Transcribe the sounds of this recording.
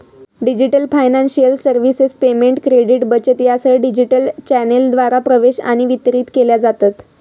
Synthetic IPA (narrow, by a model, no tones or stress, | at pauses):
ɖid͡ʑiʈəlfajnanɕijəlsəɾʋisespemeɳʈkɾeɽiʈbət͡ɕət̪jasəɖid͡ʑiʈəlt͡ɕæneld̪ʋaɾapɾəʋeɕa̰ɽ̃iʋit̪ɾiːt̪keljad͡zat̪at̪